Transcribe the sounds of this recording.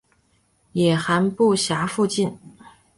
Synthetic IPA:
jɛ˨˩xa˧˥npu˥˩ɕja˧˥fu˥˧t͡ɕi˥˩n

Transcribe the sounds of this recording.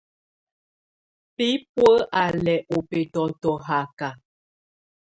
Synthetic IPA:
pi˦pwə˦ʔa˨lɛ˨ʔo˨pɛ˨tɔ˨tɔ˨ɦa˨ka˨

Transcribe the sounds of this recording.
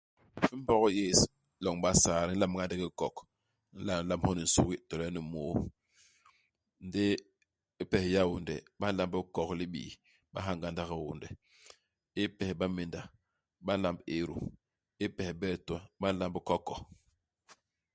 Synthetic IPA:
fi˦m˦bɔ˦ɣɔ˦je˦˨s | lɔ˨ŋɓa˦saː˨ɾi˦n̩˦la˦mɡa˦n˦di˦ki˦kɔ˨k | n̩˦la˨n̩˦la˦mhɔ˦ni˨n̩˨sṵ˦ki˦tɔ˨lɛ˦ni˨moː˨˦ | n̩˦de˦ | i˦pɛ˨hja˦wu˨ndɛ˨ɓa˦n̩˦la˦mbi˦kɔ˨kli˦ɓḭː˨ | ɓa̰˦ɦa˦ŋɡa˦nda˦ɣi˨wṵ˨ndɛ˨ | i˦pɛ˨hɓa˦me˨nda˨ | ɓa˦n˦la˦mbe˨ɾṵ˨ | i˦pɛ˨hbɛ˦˨tu˦a˨ɓa˦n̩˦la˦mbi˦kɔ˦kːɔ˨

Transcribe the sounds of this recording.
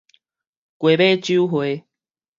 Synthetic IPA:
kwe˨˩be˦t͡ɕju˦ɦwe˨˦

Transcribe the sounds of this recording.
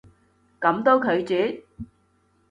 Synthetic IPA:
kɐ˨˥mt̪o˥wkʰɵ˨˧ɥt͡syː˨˥

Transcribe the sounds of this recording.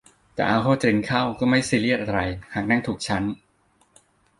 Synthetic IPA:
t̪ɛ̰ː˨˩ʔaː˧ɦʰoː˥˩t͡ɕ̪ɾi˧ŋkʰa˥˩wkɔː˥˩ma˥˩jsiː˧li˥˩ət̪̚ʔa˧ɾa˧jhaː˨˩k̚na˥˩ŋt̪ʰuː˨˩k̚t͡ɕʰa˦˥n

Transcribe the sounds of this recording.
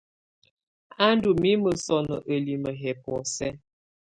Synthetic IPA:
a˦ndu˨mi˦mə˨sɔ˨nɔ˨ʔə˨li˨mə˨ɦɛ˨pɔ˨sɛ˦

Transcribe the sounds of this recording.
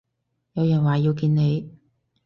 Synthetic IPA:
jɐ˨˧wjɐ˨˩nwaː˨˩jiː˧wkiː˧nne˨˧j

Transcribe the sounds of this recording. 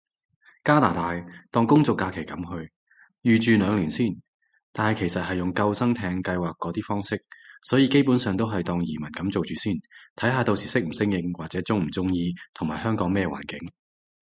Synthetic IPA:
kaː˥la̰ː˨˩t̪aː˨jt̪ɔː˨˧ŋkʊ˥ŋt͡sɔ˨kːaː˧kʰe˨˩jkɐ˨˥mhɵ˧ɥ | jyː˨˧t͡ʃyː˨lœː˨˧ŋliː˨˩nsiː˥˩n | t̪aː˨nhɐ˨˩jkʰe˨˩jsɐ˨t̚hɐ˨jːʊ˨ŋkɐ˧wsɐ˥ŋt̪ʰɛː˨˧ŋkɐ˧jwaː˨kːɔː˨˥t̪iː˥fɔː˥ŋsɪ˥k̚sɔː˨˥jiː˧ke˥jpuː˨˥nsœː˨ŋt̪o˥wɦɐ˨jt̪ɔː˨ŋjiː˨˩mɐ˨˩nkɐ˨˥mt͡so˨wt͡ʃyː˨siː˥˩nt̪ʰɐ˨˥jɦaː˨˧t̪o˧wsiː˨˩sɪ˥k̚m̩˨˩sɪ˥ŋjɪ˧ŋwaː˨k̚t͡sɛː˨˥t͡sʊ˥ŋm̩˨˩t͡sʊ˥ŋjiː˧t̪ʰʊ˨˩maː˨jhœː˥ŋkɔː˨˥ŋmɛː˥wa̰ː˨˩nkɪ˨˥ŋ

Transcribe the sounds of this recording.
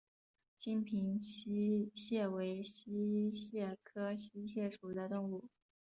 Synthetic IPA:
t͡ɕi˥npʰi˧˥ŋɕi˥ɕjɛ˥˩we˧˥ɪɕi˥ɕjɛ˥˩kʰɤ˥ɕi˥ɕjɛ˥˩ʂu˨˩d̪ə˦t̪ʊ˥˧ŋu˥˩

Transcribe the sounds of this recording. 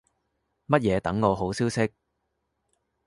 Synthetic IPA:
mɐ˥t̚jɛː˨˧t̪ɐ˨˥ŋːɔː˨˧ɦo˨˥wsiː˥wsɪ˥k̚

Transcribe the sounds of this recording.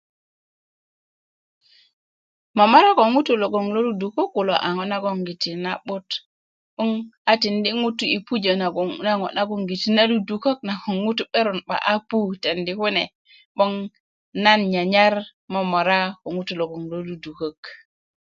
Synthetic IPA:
mo˨mo˦ɾa˦ko˨ŋu˦tu˨lo˨ɡo˨ŋlo˦lu˦du˨ko˦kːu˨lo˨ʔa̰˨ŋo˦na˦ɡo˦ŋɡi˨ti˨na˨ɓu˦t | ɓu˦ŋa˨ti˨ndi˦ŋu˦tu˨i˨pu˦d͡ʒo˨na˨ɡna˦ŋo̰˨na˦ɡo˦ŋɡi˨ti˦na˦lu˦du˨ko˦k̚na˨ko˨ŋːu˦tu˦ɓe˦ɾo˨nɓa̰˨ʔa˦pu˦te˨ndi˨˦ku˦ne˨ | ɓo˦ŋ | na˦nɲa˨ɲa˦ɾ | mo˨mo˨ɾa˦ko˨ŋu˦tu˨lo˨ɡo˨ŋlo˦lu˦du˨ko˦k

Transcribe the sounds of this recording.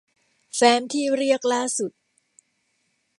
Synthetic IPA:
fɛː˦˥nt̪ʰiː˥˩ɾi˥˩ək̚laː˥˩su˨˩t̪̚

